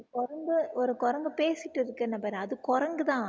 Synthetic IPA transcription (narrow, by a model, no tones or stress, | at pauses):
kɔɾɐŋɡɯɔɾɯkɔɾɐŋɡɯpeːsɪʈːɪɾɯkːɐnːɐpɐɾɐðɯkɔɾɐŋɡɯt̪ãː